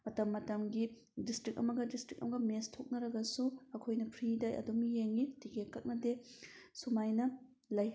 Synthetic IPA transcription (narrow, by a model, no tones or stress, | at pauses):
mɐtɐmːɐtɐmɡi | distɾik̚ɐ̰mɐɡɐdistɾik̚ɐ̰mɐɡɐmestʰok̚nɐɾɐɡɐsuɐkʰojnɐpʰɾidajʔɐ̰dumijeŋːitikʰekːɐk̚nɐdesumajnɐ | lɐj